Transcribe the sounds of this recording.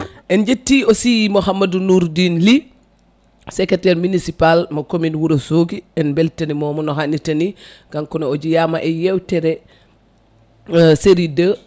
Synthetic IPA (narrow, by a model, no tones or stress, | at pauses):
ʔɛnɟetːiosijimoxɐmɐdunuːɾdiːnli | sɛketɛɾminisipalmɐkominwuɾɐsuːɡiɛnbɛltɐnimɔːmɔnɔxanitɐni | ɡ̥aŋkɔnooɟijamaʔɛjɛwtɛɾɛ | seɾidə